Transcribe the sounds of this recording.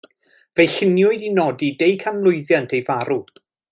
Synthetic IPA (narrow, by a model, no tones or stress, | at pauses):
vejɬɪnjʊɨdinɔdidejkʰanlˠʊɨðjantʰejvaɾu